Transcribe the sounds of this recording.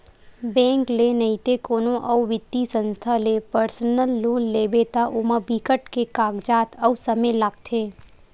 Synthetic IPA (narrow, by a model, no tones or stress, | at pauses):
bɛ̃ːŋklenɐit̪ekoːnõʔɐwʋɪt̪ːisə̃nst̪ʰalepəɾsənəlːoːnːeːbet̪aʔʊmabʱikəʈkekaːɡd͡ʒaːt̪ʰɐwsɐmelaːɡ̚t̪ʰeː